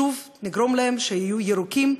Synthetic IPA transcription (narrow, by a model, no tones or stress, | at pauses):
uv | niɡɾo̞mlahemʃehijujeɾukim